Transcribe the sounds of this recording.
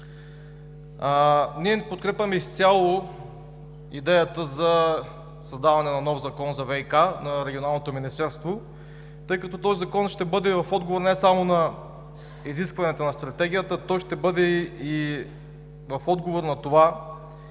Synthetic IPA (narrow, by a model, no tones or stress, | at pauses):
niɛpot̪kɾɛpvʲɐmɛist̪sʲjalˠo | id̪ɛjət̪əzɐ | sɐzd̪avɐnɛnɐnɔvzɐkɔnzɐvɛikanɐɾɛɡʲionalˠnot̪ominist̪ɛɾst̪vo | t̪ɤjkɐt̪ɔt̪ɔzizɐkɔnʃt̪ɛbɤd̪ɛvɐfɔd̪ɡovoɾnɛsamonɐ | iziskvɐnɛt̪onɐst̪ɾɐt̪ɛɡ̟ʲijət̪ət̪ɔjʃt̪ɛbɤd̪ɛi | vɐfɔd̪ɡovoɾnɐt̪ova